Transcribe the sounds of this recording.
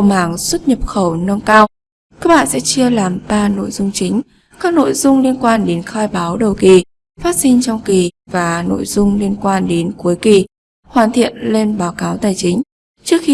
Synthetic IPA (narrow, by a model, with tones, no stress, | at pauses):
mhaː˧˩ŋswə˦˥t̚ɲə˨˩p̚xə˧˩wnə˧ŋkaː˧w | ka˦˥k̚ɓa̰ː˧˨nsɛ̰˧˥t͡ɕɨ˧əlaː˨˩mɓaː˧no̰˧˨jzʊ˧ŋ͡mt͡ɕï˨˦ŋ̟ | kaː˦˥k̚no̰˧˨jzʊ˧ŋ͡mli˧ənkwaː˧nɗe˨˦nxaː˧jɓaː˨˦wɗə˨˩wki˨˩ | faː˦˥t̚si˧nt͡ɕɔ˧wŋ͡mki˨˩vaː˨˩no̰˧˨jzʊ˧ŋ͡mli˧ənkwaː˧nɗe˨˦nku˨˦jki˨˩ | hwaː˨˩nt̪ʰḭ˧˨ənle˧nɓaː˨˦wkaː˨˦wt̪aː˨˩jt͡ɕï˨˦ŋ̟ | t͡ɕɨ˦˥ək̚xi˧